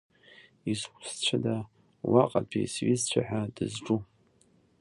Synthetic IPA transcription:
izkʷʰʼst͡ɕʷʰada | waqʼapʰḭsɥizt͡ɕʷʰaħʷᶣadɨzʈ͡ʂʼu

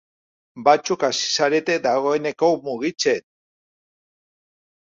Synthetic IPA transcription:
bat͡sukasi̥saɾe̞t̪e̞d̪aɣ̞o̞e̞ne̞komuɣit͡sen

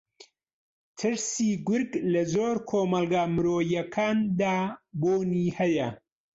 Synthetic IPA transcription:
t̪ʰɨɾsiːɡʊɾɡlɐzoːɾkʰoːmɐlˠɡaːmɨɾoːjɐkʰaːnd̪aːboːniːhɐjɐ

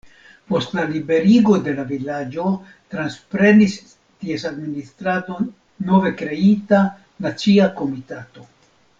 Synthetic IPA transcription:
po̞stlalibe̞ɾiɡo̞de̞lavilad͡ʒo̞ | tɾanspɾe̞nis | tiesadministɾado̞ | no̞ve̞kɾe̞ita | nat͡siako̞mitato̞

